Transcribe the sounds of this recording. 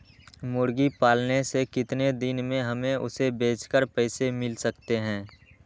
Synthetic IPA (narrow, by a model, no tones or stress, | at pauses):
mʊɾɡipaːlnesekɪt̪ned̪ɪnmẽɦɐmẽʊ̰sebeːt͡ʃkəɾpɛːsemɪlsəkt̪eɦɛ̃ː